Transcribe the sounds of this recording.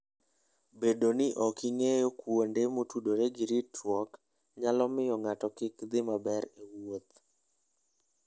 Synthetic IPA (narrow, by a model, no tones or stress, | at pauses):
bedonɪʔɔkiŋejokwondemotudoɾeɡɪɾitwɔk | ɲalɔmɪjɔŋatɔkɪkd̪ɪmabɛɾewot̪